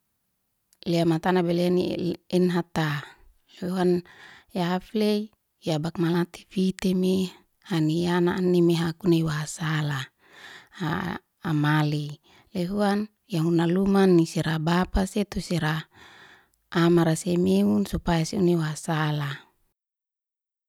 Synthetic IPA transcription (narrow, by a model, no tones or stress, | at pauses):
leamat̪anabeleaniɛnɦat̪a | leuanjaflei | jabak̚malat̪i̥fit̪eme | hanijanaʔːnːimeɦakuneiwaasala | aː | mali | leɦuan | jaɦunalumanːisiɾabapaset̪usiɾa | maɾasemeunsupajasiunewaasala